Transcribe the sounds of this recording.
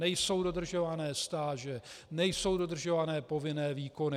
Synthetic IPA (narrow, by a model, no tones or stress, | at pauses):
ɛjso̞wdo̞d̪r̩ʒo̞vanɛːst̪aːʒɛnɛjso̞wdo̞d̪r̩ʒovanɛːpo̞vɪnɛːviːko̞nɪ